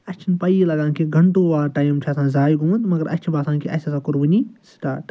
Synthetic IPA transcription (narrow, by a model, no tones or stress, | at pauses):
ɐt͡ʃʰinpɐjilɐɡãːnkiɡʱɐɳʈoʋaːɾʈaːjimt͡ʃʰiɐsãːzaːjɡumunt̪mɐɡəɾɐ̰t͡ʃʰibaːsʰãːnkiʔɐsasakʊɾbɐnisʈa̰ːʈ